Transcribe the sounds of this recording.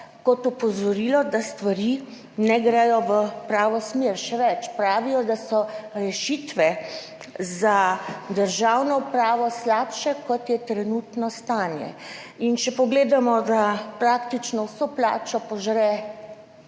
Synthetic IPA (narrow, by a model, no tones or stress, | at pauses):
kɔt̪ɔpɔzɔɾiːlɔd̪ast̪ʋaɾi | nɛɡɾɛjɔʋəpɾaːʋɔsmeɾʃɛʋɛt͡ʃpɾaːʋijɔd̪asɔɾɛʃit̪ʋɛ | zad̪əɾʒawnɔpɾaːʋɔslaːpʃɛkɔt̪jɛt̪ɾɛnuːt̪nɔst̪anjɛ̰ | int͡ʃɛpɔɡleːd̪amɔd̪apɾakt̪it͡ʃnɔwsopla̰ːt͡ʃɔpɔʒɾɛ